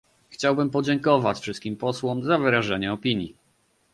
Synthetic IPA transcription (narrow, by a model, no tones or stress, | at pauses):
xt͡ɕawbɘmpɔd͡ʑɛŋkɔvat͡ɕfʂɘst̪kʲimpɔswɔmzavɘɾaʐɛɲɛɔpʲiɲji